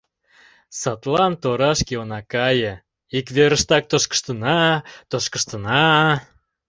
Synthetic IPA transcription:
sɑt̪lɑnt̪oɾɑʃkeonɑkɑjə̆ | ikβeɾəʃt̪ɑk̚t̪oʃkə̥ʃt̪ənɑt̪oʃkəʃt̪ənɑ

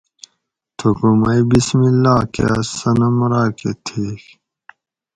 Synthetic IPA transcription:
t̪ʰukumɐjbismilːaːkḛɐsɐnɐmɾaːket̪ʰeːk

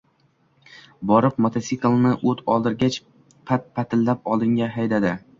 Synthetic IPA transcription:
bɒɾɪp̚mot̪ʰasiklˠnɪʔɵt̪ʰɒlˠd̪ɪɾɡʲat͡ʃ | pʰat̪̚pʰat̪ʰɪlːap̚ɒlˠɪŋɡʲaɦajd̪ad̪ɪ

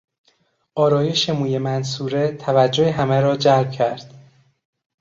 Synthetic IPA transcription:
ʔɒːɾɒːje̞ʃemuːjemænsuːɾe̞t̪ʰævæd͡ʒːoheɦæmeɾɒːd͡ʒælb̥̚cʰæɾd̪̥

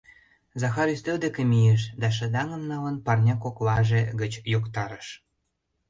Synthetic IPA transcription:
zɑxɑɾyst̪øld̪ĕkĕmijeʃ̬d̪ɑʃ̬ə̆d̪ɑŋə̆mnɑlə̆npɑrnʲɑkoklɑʒeɡə̆t͡ɕjokt̪ɑɾə̆ʃ

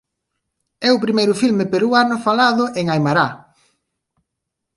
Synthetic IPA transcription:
ɛʊpɾimejɾʊfilmɪpeɾuanʊfalaðʊʔeŋajmaɾa

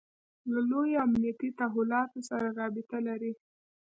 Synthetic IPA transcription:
lalojoamnijat̪it̪aɦʊlɑt̪osaɾaɾɑbɪt̪alaɾi

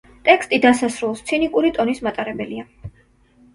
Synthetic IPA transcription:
t̪ʼɛkst̪ʼid̪asasɾulˠst̪sʰinikʼuɾit̪ʼɔnismat̪ʼaɾɛbɛlia

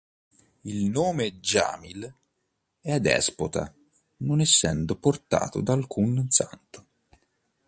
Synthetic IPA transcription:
ilnoːmed͡ʒa̰ːmil | ɛad̪ɛ̰spot̪a̰ | nonɛsːɛnd̪oport̪a̰ːt̪o̰d̪aːlkʰunsa̰nt̪o̥

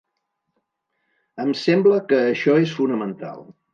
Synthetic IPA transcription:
əmsɛmbləkəːʃɔesfunəmənt̪a̰lˠ

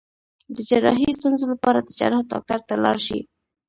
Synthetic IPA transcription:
d̪əd͡ʒaɾɑ̰ɦist̪unzolapɑɾad̪əd͡ʒa̰ɾɑhd̪ɑ̰k̚t̪aɾt̪alɑ̰ɾʃḭ

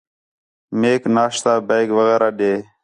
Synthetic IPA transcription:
meːknaːʂt̪aːbejɡʋəɣeːɾʔaːɗeː

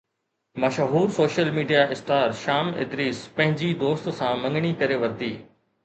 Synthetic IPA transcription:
mɐʃɦuːɾsoːʃəlmiːɖijaʔɪst̪aːɾʃaːmɪ̰d̪ɾiːspɐ̃ɦɪ̃ɲd͡ʑid̪oːst̪sãːmɐ̃ŋɡɽ̃ikɐɾeʋɐɾd̪iː

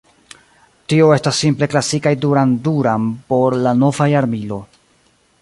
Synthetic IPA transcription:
tio̞e̞stasːimple̞klasikajduɾanduɾanpo̞ɾlano̞vajaɾmilo̞

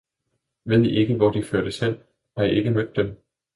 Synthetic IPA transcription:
ʋe̝ð̞̰ˠiʔeɡ̥əʋɒd̥iføɐɾ̥əsel̰ | hɑ̈jiʔe̝ɡ̥əmød̥ːem

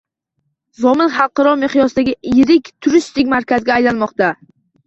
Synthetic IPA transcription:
zɒmɪnχɑlˠqɑɾɒmeχjɒsd̪aɡʲɪjɪɾɪkʲt̪ʰʊɾɪʃt̪ɪkʲmaɾkʲazɡʲaːjlanmɒqt̪a

